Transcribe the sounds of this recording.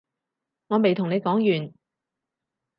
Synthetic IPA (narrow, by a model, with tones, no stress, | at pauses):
ŋɔː˨˧me˨jt̪ʰʊ˨˩ŋne˨˧jkɔː˨˥ŋjyː˨˩n